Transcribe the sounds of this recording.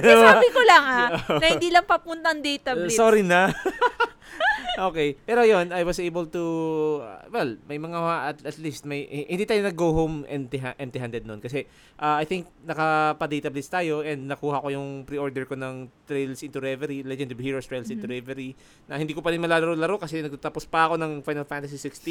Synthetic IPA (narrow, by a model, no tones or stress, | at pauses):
saːbɪkolɐŋaonɐhɪnd̪iːlɐŋpɐpunt̪ɐɐŋd̪ɛjt̪ɐbssoɾinɐ | ʔoːkɛjpɛːɾojo̞najwɐsejbɛlt̪ṵ | wɛlmɐjmɐŋaaʔɐt̪ɐt̪list̪̚mɐjhɪ̃nd̪iːt̪aːjonɐɡowɦomʔɛ̰nd̪t̪ɪɦaʔɛmt̪ɪhand̪ɛd̪̚nonkɐsɛ | ʔaajθɪŋk̚nɐkɐpɐd̪ejt̪ɐblɪst̪aːjo̞ʔɛnd̪̚nɐkuːhɐko̞jʊŋpɾiʔoɹd̪ɛɹko̞nɐŋt̪ɾɛjlsʔɪnt̪uɾɛvɛɾilɛd͡ʒɛnd̪ɐbhiɹost̪ɹɛjlsʔɪ̃nt̪ʊɾɛvɛɾi | nɐhɪnd̪iːkopɐɾɪnmɐlaːlɐɾolɐɾokɐsɛnɐɡ̚t̪at̪apospɐɐko̞nɐŋfajnɐlfant̪ɐsisɪkst̪i